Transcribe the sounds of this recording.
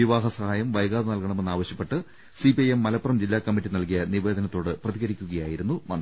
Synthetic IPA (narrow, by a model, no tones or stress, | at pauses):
iʋaːɦɐsɐhaːjɐmʋɐjɡaːd̪ɐnɐlkɐɳɐme̞nːaːʋɐɕjɐpːe̞ʈːɨ | sipijemːɐlɐpːɐrɐmd͡ʑilːaːkɐmːiʈːinɐlkijɐniʋe̞ːd̪ɐnɐt̪ːo̞ːɽɨprɐðiɣɐɾikʲːuɣɐjaːjiɾunːuʋɐn